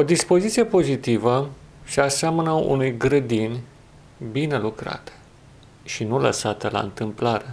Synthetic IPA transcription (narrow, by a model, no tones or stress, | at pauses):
o̞d̪ispo̞zit̪sije̞po̞zit̪ivəseaseamənəṵnujɡɾəd̪inʲ | bine̞lukɾa̰t̪e̥ | ʃinulə̰sat̪əla̰ɨ̰nt̪ɨmplaɾe̞